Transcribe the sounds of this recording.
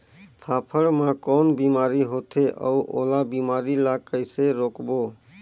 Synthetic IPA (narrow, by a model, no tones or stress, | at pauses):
pʰaːpʰəɾmãkɔnbimaːɾiɦot̪ʰeʔə̰uʔo̰labimaːɾilakəɪseɾoːkbo